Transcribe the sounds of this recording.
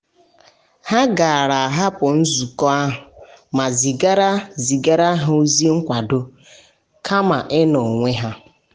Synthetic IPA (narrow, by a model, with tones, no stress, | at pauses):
ha˦ɡa˨a˨ɾa˨a˨ɦa˦pʊ˨n̩˦zu˨kɔ˦a˦ɦʊ˨ma˨zi˨ɡa˦ɾa˦zi˨ɡa˦ɾa˦ɦu˦zi˦ŋ̩˦kʷa˨dʊ˦ | kʰa˦ma˨ʔɪ˦nɔ˨ŋʷe˦ɦa˦